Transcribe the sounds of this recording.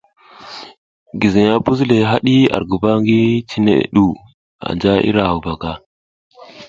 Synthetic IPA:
ɡi˨zi˨ɲa˦bu˦zle˨ɦa˦ɗi˦a̰˨ɾɡu˨ba˦ŋɡi˦t͡ʃi˦nḛ˨ɗu˦ | a̰˨nd͡ʒa˦ʔḭ˦ɾa˨u˨ba˨ka˦

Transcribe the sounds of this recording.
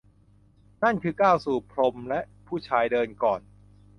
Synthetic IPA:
na˥˩nkʰɯː˧kaː˥˩wsuː˨˩pʰɾo˧mlɛ˦˥ʔpʰuː˥˩t͡ɕʰaː˧jdɤː˧nkɔː˨˩n

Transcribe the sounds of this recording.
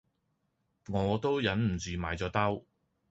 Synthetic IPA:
ŋɔː˨˧t̪o˥wjɐ˨˥nm̩˨˩t͡syː˨˧maː˨˩jt͡sɔː˨˥t̪ɐ˥w

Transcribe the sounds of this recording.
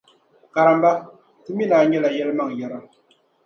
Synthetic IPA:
ka˨ɾa˨mba˦ | ti˦mi˦naː˨ɲɛ˦la˨jɛ˦lɨ˦ma˦˨ŋ˨jɛ˦ɾa˦

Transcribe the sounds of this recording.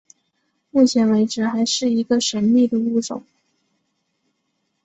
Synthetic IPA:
mu˥˩t͡ɕʰjɛ˧˥nwe˧˥ɪʈ͡ʂɻ̩˧˥xa˧˥ɪʂɻ̩˥˩i˧˥ɡə˧ʂə˧˥nmi˥˩d̪ə˩u˥˩ʈ͡ʂʊ̰˨˩˦ŋ

